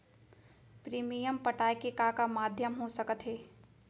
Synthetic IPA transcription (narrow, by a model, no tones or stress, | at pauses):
pɾiːmijəmpəʈaːjkekakamaːd̪ʱjəmɦosəkət̪ɦeː